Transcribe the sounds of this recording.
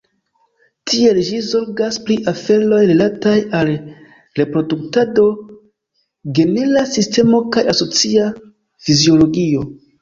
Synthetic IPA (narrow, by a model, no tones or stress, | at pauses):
tʰie̞ld͡ʒizo̞ɾɡaspɾiʔafe̞lo̞jɾelatajal | ɾe̞pɾo̞duktado̞ | ɡe̞nelasiste̞mo̞kajaso̞t͡sia | fizio̞lo̞ɡio̞